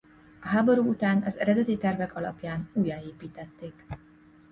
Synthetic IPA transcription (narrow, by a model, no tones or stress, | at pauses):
ɒɦaːbo̞ɾuːut̪aːnɒzɛɾɛd̪ɛt̪it̪ɛrvɛkɒlɒ̰pjaːnuːjaːeːpiːt̪ɛt̪ːeːk